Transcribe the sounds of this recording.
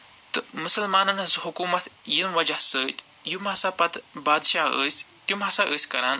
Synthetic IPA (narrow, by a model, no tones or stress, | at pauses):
t̪əmusəlmaːnanɐzuɦukuːmɐt̪jinʋɐd͡ʒasət̪ | jimɦɐsapɐt̪bad̪ɕaə̰sʲ | t̪umasaʔəsʲkɐɾan